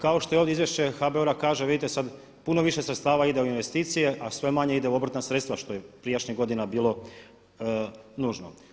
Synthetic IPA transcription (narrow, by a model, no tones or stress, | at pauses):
kao̞ʃt̪oeoʋd̪izʋjeʃt͡ɕexabeoɾakaːʒeʋid̪it̪esad̪ | punoʋiʃesɾet̪t̪aːʋaid̪eoinʋest̪iːt̪sije̞ʔasʋe̞maɲe̞id̪euobɾat̪nasɾet̪st̪ʋaʃt̪ojepɾiejat͡ʃɲiɣɡo̞d̪inabiːlˠo̞ | nuːʒno̰